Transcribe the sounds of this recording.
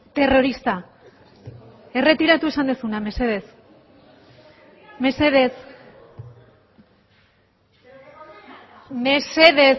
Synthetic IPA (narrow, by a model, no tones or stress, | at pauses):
t̪e̞ro̞ɾist̪a | e̞re̞t̪iɾat̪ue̞sand̪esuname̞seðes | meseðes | meseðe